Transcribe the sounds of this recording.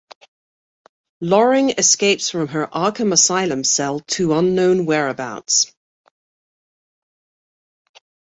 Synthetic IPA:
lɔɹɪ̃ŋɪskeɪpsfɹə̃mə˞ʔɑˑkə̃məsaɪlˠə̃msɛlˠtʰuːʌ̃nːõʊ̃nwɛːɹəbaʊts

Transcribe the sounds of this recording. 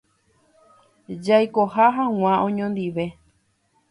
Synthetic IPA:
d͡ʒajkohaɦãw̃ãʔõɲõnd̪iʋe̞

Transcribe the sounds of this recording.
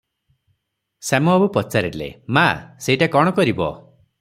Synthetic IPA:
semɔabupɔt͡ʃaɾiʈlḛmaseiʈakɔɽ̃ɔkɔɾibɔ̰

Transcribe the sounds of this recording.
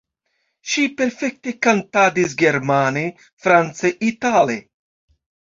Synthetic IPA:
ʃipe̞ɾfe̞k̚te̞kantadis̬ɡe̞ɾmane | fɾant͡seʔitale

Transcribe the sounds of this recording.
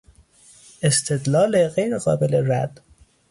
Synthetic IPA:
est̪ʰed̪lɒːleɣejɾeɣɒːbeleɾæd̪̥

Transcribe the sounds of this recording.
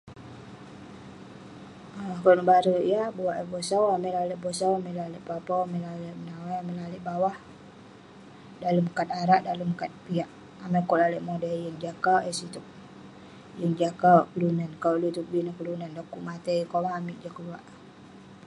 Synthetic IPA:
akɔnəbaɾəijabuwaʔəbɔsawamɛlaləʔbɔsawamɛlaləʔpapawaməlaləʔmənawajamilaləʔbawah | daləmkat̪̚aɾaʔdaləmkat̪̚piaʔ | amakɔlaləʔmodajəŋd͡ʒakawʔɛsit̪uk̚ | jəŋd͡ʒakawkəlunankaʔlut̪uk̚binəhkəlunandakuʔmat̪əjkomaːmiʔd͡ʒakəluaʔ

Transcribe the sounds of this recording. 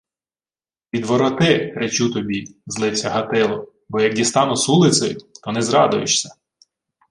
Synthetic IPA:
pʲid̪ʋɔɾɔt̪ɪɾet͡ʃut̪ɔbʲizlˠɪwsʲɐɦɐt̪ɪlˠɔ | bɔjɐk̚dʲist̪ɑnʊsulˠɪtsɔjʊt̪ɔnɛzɾɑd̪ʊjɪt͡ʃsʲɐ

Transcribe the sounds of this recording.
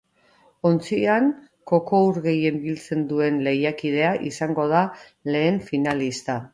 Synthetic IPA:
o̞nt͡siaŋ | ko̞ko̞uɾɣe̞je̞mbilt͡se̞nd̪ue̞nle̞jakiðe̞aʔisaŋɡo̞ð̞a | le̞ːɱfinalist̪a

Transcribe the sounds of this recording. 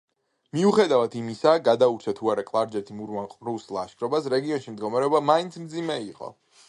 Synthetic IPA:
miuχɛd̪avat̪ʰimisaɡad̪auɾt͡ʃʰat̪ʰuaɾakʼlˠaɾd͡ʒɛt̪ʰimuɾvanqʼɾuslˠaʃkʰɾɔbasɾɛɡiɔnʃimd̪ɡɔmaɾɛɔbamaint̪sʰmd̪zimɛiqʼɔ̰

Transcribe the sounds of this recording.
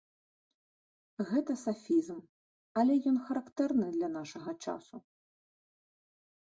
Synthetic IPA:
ɣɛt̪ɐsafʲizm | ɐlʲɛjɔnxɐɾakt̪ɛrnɨd̪lʲɐn̪aʂɐɣɐt͡ʂa̰su

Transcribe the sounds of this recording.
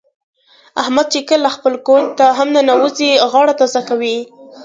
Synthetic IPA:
ahmad̪̚t͡ʃekəlːaxpəlkont̪aɦamnanawuziɣɑɽat̪ɑzakawi

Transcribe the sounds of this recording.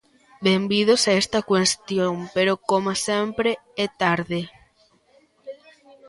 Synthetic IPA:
bembið̞osaest̪ɐkwest̪joŋpeɾokomasempɾeɛt̪aɾðe

